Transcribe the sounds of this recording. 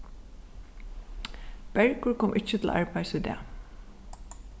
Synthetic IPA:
b̥ɛɹkʊɹkʰɔːmʔɪt͡ʃːət̪ʰɪl̰ʔɑɹpɑɪsʏd̪ɛ̰ː

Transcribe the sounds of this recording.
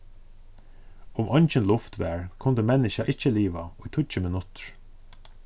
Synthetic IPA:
ʊmɔɲt͡ʃɪnlʊft̪ʋɛ̰ːɹkʰʊnt̪əmɛnɪʃaʔɪt͡ʃːəliːʋa̰ʊjt̪ʰʊt͡ʃəmɪnʊt̪ɹ̥

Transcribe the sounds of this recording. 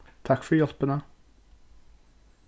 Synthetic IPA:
t̪ʰɑkfɔɾjɔlpənə

